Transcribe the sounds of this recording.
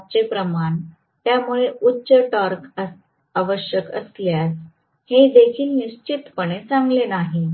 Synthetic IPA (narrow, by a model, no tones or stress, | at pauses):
t͡ɕepɾəmaɳ | t̪jamuɭeʔutːɕəʈəɾkə | aʋəɕjəkə̰sljas | hed̪ekiːlniɕt͡ɕit̪pəɳ̃et͡saŋɡlenaɦi